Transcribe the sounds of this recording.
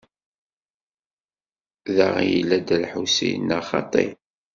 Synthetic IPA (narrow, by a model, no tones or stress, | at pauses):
ðaʁjə̰lːæd̪ælħusijnəχɑ̰t̪ˤḭ